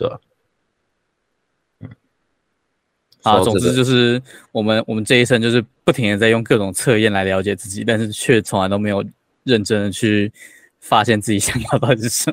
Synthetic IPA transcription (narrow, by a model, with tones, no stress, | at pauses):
ɑ˨˩˧t͡sʊ˨ŋt͡sɹ̩˥t͡ɕjo˥˧ʊʂɻ̩˥˩wɔ˨˩mə˦nwɔ˨˩mə˦nʈ͡ʂɤ˥˧i˥sʰə˥ŋt͡ɕjʂɻ̩˥˧pu˥˩t̪ʰi˧˥ŋɻə˧nt͡sa˥˧ɪjʊ˥˧ŋkɤ˥˩ʈ͡ʂʊ˨˩ŋt͡sʰɤ˥˧jɛ˥˩nla˧˥ɪljɑ˧˥ʊt͡ɕjɛ˨˩t͡sɹ̩˥˩t͡ɕi˨˩t̪a˥˧nʂɻ̩˥˩t͡ɕʰɥɛ˥˧ʂɻ̩˥t͡sʰʊ˧˥ŋla˧ɪt̪o˥ʊme˧˥jo˨˩ʊ | ɻə˥˩nʈ͡ʂə˥ŋd̪ə˨t͡ɕʰy˥˩ | fa˥ɕjɛ˥˧nt͡sɹ̩˥˩t͡ɕi˨˩ɕjɑ˨˥˦ŋkʰwa˥˩t̪ɑ˥˧ʊi˥˩ʂə˥˩